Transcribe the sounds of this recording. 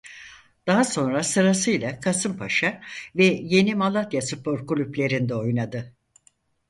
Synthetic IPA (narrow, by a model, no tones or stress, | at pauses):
d̪̥aɦaso̞nɾasɯɾasɯjlˠakʰasɯmpʰaʃavɛje̞nimalˠat̪jasɯpo̞ɾkulʲyplʲe̞ɾind̪ɛo̞jnad̪ɯ